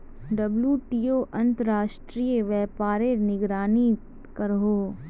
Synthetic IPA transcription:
ɖɐbljuːʈiːoːʔɐ̃nt̪əɾaːʃʈɾiːjəʋɛːpaːɾenɪɡɾaːni | kɐɾɦoː

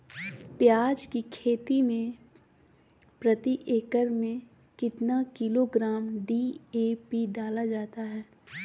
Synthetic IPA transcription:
pjaːd͡ʒkikʰeːt̪imẽ | pɾɐt̪iʔeːkəɾmẽ | kɪt̪nakɪloɡɾaːmɖieːpiɖaːlad͡ʒaːt̪aɦɛː

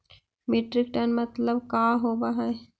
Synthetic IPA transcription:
meʈɾɪk̚ʈənmɐt̪ləbkaːɦoːbaɦɛ

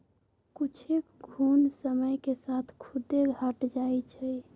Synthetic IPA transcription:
kut͡ʃʰekɡʱunsəməjkesat̪ʰkʰud̪eɡʱaʈd͡ʒajt͡ʃʰəj

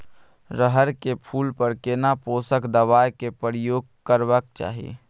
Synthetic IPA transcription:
ɾəɦəɾkepʰuːlpəɾkenapoːsəkd̪əʋaːjkepɾjoːɡ̚ | kəɾʋəkt͡ʃa̰ːɦiḛ

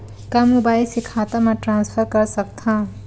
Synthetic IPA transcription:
kamubajsikʰat̪amaʈɾãnspʰʌɾkʌɾsʌk̚t̪ʰã

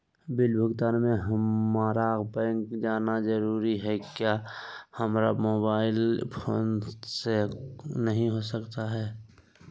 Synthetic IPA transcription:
bɪlbʱəɡt̪aːnmẽɦmaːɾakbɛ̃ŋkd͡ʒaːnazəɾuːɾiɦɛkjaːhəmɾamoːbaːɪlpʰoːnsenəɦĩɦosəkt̪aɦɛː

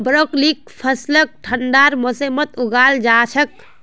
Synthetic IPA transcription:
bɾoːklik̚ | pʰəslək̚ʈʰəɳɖaːɾmosemət̪ʊɡaːld͡ʒaːt͡ʃʰək̚

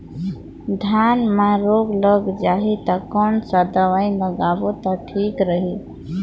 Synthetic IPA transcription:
d̪ʱanmãɾoɡləɡd͡ʒaɦit̪əkɔnsəd̪əʋaĩləɡabot̪əʈʰikɾəɦi

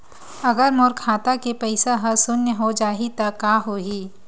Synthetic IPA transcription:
ɐɡəɾmoːɾkʰaːt̪akepɐɪsaɦɐsʊnjəɦod͡ʒaːɦit̪ɐkaːɦoːɦiː

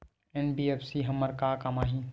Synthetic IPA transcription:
ɛnbiːeːpsiɦɐmːəɾkaːkamaːɦĩː

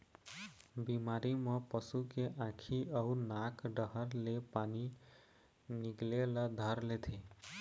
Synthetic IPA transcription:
bimaɾiməpəsukeʔãkʰiəunakɖəɦəɾlepani | niɡlelʌd̪ʱəɾlet̪ʰe

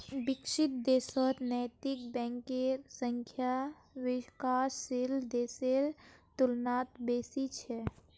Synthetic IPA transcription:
bɪkʃɪt̪̚d̪eːsɔɾnɛjt̪ɪk̚bɛ̃ːŋkeɾsə̃ŋkʰja | wɪkaːsːild̪eːseɾt̪ʊlnaːt̪̚beːsit͡ʃʰɛ

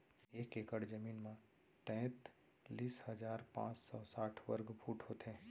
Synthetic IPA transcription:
eːkekəɽd͡ʒəmiːnmã | t̪ɛ̃ːt̪ | liːshəd͡ʒaːɾpã̰ːt͡ʃsɔsaːʈʰʋə̰ɾɡbʱuːʈɦoːt̪ẽː

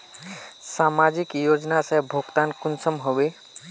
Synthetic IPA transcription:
samad͡ʒikjod͡ʒnasɛ̃bʱoɡt̪ankunsəmɦobe

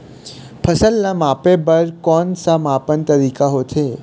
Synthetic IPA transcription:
pʰəsəlnamapebəɾkɔnsamapənt̪əɾikaɦot̪ʰe

